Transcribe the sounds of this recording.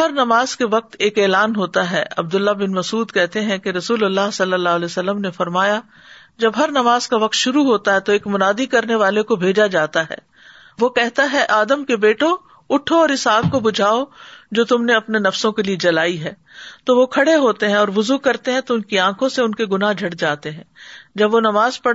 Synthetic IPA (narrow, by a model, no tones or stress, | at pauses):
ɦɐɾnɐmaːz̥keʋɐq̚t̪eːkeːlaːnɦoːt̪aɦɛ̰ːʔɐ̰b̚d̪ʊlːabɪnmɐsuːd̪kɛɦt̪eɦɛ̃keɾɐsuːlɐlːaːɦsɐlːəlːaːlesɐlːəmnefɐɾmaːja | d͡ʒɐbɦɐɾnɐmaːz̥kaʋɐq̚t̪ʃʊɾuɦoːt̪aɦɛt̪oeːkmʊnaːd̪ikɐɾneʋaːlekobʱeːd͡ʒad͡ʒaːt̪aɦɛ̰ː | ʋokɛɦt̪aɦɛʔaːd̪əmkebeːʈo | ʊʈʰoɔːɾɪsaːɡ̚kobʊd͡ʒʱaːod͡ʒoːt̪ʊmneɐpnenɐfsõkelied͡ʒɐlaːiɦɛː | t̪oʋokʰɐɽeɦoːt̪eɦɛ̃ɔːɾʋʊzukɐɾt̪eɦɛ̃t̪oʊnkiãːkʰõseʊnkeɡʊnaɦd͡ʒʱɐɽd͡ʒaːt̪eɦɛ̃ːd͡ʒɐbʋonɐmaːzpɐɽ